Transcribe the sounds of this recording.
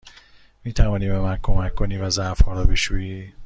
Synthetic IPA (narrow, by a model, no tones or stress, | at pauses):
miːt̪ʰævɒːniːbemænkʰo̞mækʰːo̞niːvæzæʔfhɒːɾɒːbeʃuːjiː